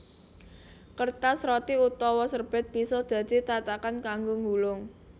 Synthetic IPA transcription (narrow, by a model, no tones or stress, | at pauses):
kərt̪asɾɔt̪iut̪ɔwɔsərb̥ɪ̤t̪̚b̥i̤sɔd̪̥ä̤d̪̥i̤t̪at̪akankaŋɡoŋɡulʊŋ